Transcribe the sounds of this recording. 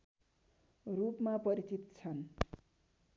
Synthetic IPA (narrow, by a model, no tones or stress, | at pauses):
rupmapʌɾit͡sit̪t͡sʰʌn